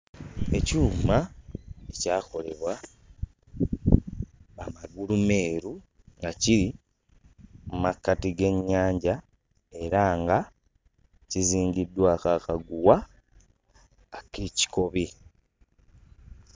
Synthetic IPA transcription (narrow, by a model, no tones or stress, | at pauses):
e̞cuːmaecaːko̞le̞βwa | maɡulume̞ːɾu | ŋɡaciɾi | mumakːatiɡe̞ɲːaːɲɟa | e̞ɾaːŋɡa | ciziːɲɟidːwaːkaːkaɡuwa | keːci̥ko̞βi